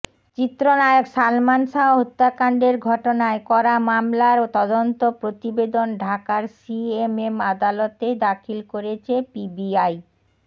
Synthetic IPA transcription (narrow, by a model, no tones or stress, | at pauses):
t͡ɕit̪ːɾonajoɡsalmanʃaɦɦot̪ːakaɳɖeɾɡʱɔʈonaekɔɾamamlaɾot̪ɔd̪ont̪opɾot̪ibed̪onɖʱakaɾsiememad̪alot̪ed̪akʰilkoɾet͡ɕʰepibiaj